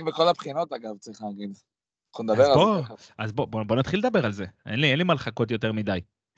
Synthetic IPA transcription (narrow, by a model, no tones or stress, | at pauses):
veko̞lapχino̞t̪aɡavt͡sʁiχlaːɡid̪ | χond̪abeʁaboazbobobo̞nat̪χiled̪abe̞ʁalze̞ʔḛnlienlimalχako̞t̪̬jo̞te̞ʁmid̪aj